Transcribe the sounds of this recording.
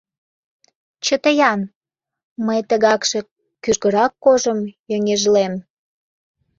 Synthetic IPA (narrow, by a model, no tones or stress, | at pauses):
t͡ɕət̪əjɑn | məjt̪əɣɑkʃe̽ | kyʒɣə̆ɾɑkːoʒəmjøŋeʒlem